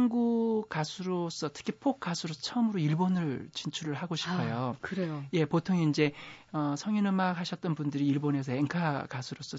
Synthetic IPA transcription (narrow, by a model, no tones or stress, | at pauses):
aŋɡukasʰuɾos͈ʌtʰɯ̥kʰipʰok̚k͈asʰuɾosʰʌt͡ɕʰʌʌmɯɾoiɭbonɯɭt͡ɕint͡ɕʰuɾɯɭɦaɡoɕʰi̥pʰʌjokɯɾeoje̞potʰoŋeind͡ʑe̞ʌsʰʌŋinɯmakhaɕʰʌt̚t͈ʌnbundɯɾiːɭbone̞sʰʌeŋkʰakasʰuɾos͈ʌ